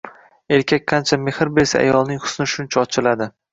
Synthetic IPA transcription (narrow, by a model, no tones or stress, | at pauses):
e̞ɾkʲʰak̚ʲqʰɑnt͡ʃʰame̞hɪɾbesaa̰jɒlˠnɪŋhʊ̥snɪʃʊnt͡ʃʰaɒt͡ʃʰɪlad̪ɪ